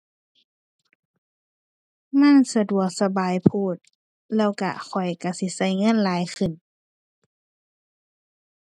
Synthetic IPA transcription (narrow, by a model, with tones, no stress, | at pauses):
ma˧˥˨nsa˧du˨˩ək̚sa˧baː˨˩jpʰuː˧˩t̪̚ | lɛː˧˩˨wka̰˧˩xʰɔ˨˩jka˧˩si˧˦sa˧˩jŋɤ˧˥˨nlaː˨˦jxɯ˨˩n